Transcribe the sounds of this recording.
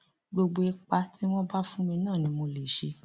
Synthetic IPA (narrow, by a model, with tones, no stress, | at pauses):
ɡ͡bo˧ɡ͡bo˧ɛ˧k͡pa˧ti˦w̃ɔ̃˦ba˦fũ˦mĩ˧nãː˦˨nĩ˧˦mo˧le˨ʃe˧˦